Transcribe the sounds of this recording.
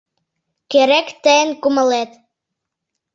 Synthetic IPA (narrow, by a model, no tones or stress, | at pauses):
keɾekt̪əənkumə̆let̪